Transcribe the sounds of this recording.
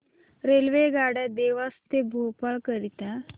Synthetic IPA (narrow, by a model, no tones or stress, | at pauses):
ɾelʋeɡaɽad̪eʋast̪ebʱupaɭkəɾit̪a